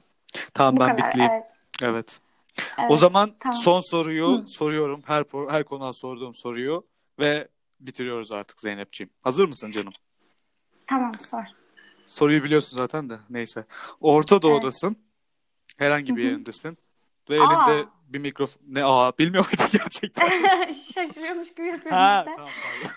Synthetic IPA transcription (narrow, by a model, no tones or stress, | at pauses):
t̪ʰambæbit̪lʲijim | evɛt̪ | o̞zamanso̞nso̞ɾujuso̞ɾujo̞ɾumhæɾpʰɾohæɾkʰo̞nud̪aso̞ɾd̪uːmso̞ɾujo | vɛ | bit̪ʰiɾijo̞ɾuzaɾt̪ʰɯ̥kzejnɛp̚t͡ʃʰijimhazɯɾmɯsɯnd͡ʒanɯm | t̪ʰamasɾ | so̞ɾujɯbilʲijo̞ɾsunzaːt̪ʰænd̪anejsɛo̞ɾt̪ʰad̪o̞ːd̪asɯn | hɛɾhaɲɟibije̞ɾind̪ɛsin | vɛevʲind̪ɛ | bimicɾo̞fonːɛabilʲmijomajd̪inɟæɾt͡ʃʰɛc̚t̪ʰæʃaʃɯɾɯjomuʃɟibijapʰɯjoɛɛamamaa